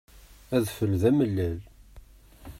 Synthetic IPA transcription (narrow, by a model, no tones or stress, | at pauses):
æðfəlðæməlːæl